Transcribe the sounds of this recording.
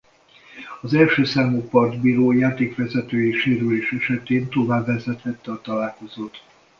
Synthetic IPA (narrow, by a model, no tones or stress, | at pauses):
ɒzɛlʃøːsaːmoːpɒrd̪biːɾoːjaːt̪eːkʋɛzɛt̪øːjiʃeːɾyleːʃɛʃɛt̪eːnt̪o̞vaːbːɛzɛt̪hɛt̪ːɛɒt̪ɒlaːlko̞zoːt̪